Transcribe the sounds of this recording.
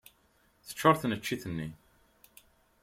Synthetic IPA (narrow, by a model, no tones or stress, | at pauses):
θə̥t͡ʃːəɾˤθnət͡ʃːiθənːi